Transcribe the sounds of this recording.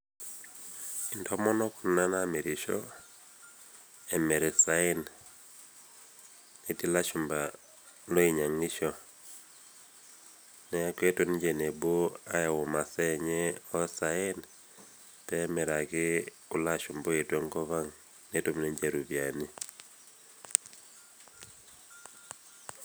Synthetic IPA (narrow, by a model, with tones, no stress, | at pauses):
i˨ndɔ˦mɔ˦nɔ˦kʊ˨nna˦na˦me˨ɾi˨ʃɔ̰˦ | ɛ˨mɛ˨ɾɛ˨sa˦ɪ˦n | e˨ti˦la˦ʃʊ˨mba˨ | no˦i˨ɲa˨ŋɪ˦ʃɔ˦ | nɛ˦ke˦to˨n˦ɲd͡ʒe˨ne˨bo˦a˦ja˨wʊ˨ma˨sɛ˦ɲɛ˦ɔ˦saɪ˦n | tɛ˦mɛ˨ɾa˨ɡɪ˦ | ʊ˦la˦ʃʊ˨mbo˦e˨twe˦ŋkɔ˦βa˦ŋ | ne˦to˦mne˦ɲd͡ʒe˨ɾu˨vja˨ni˦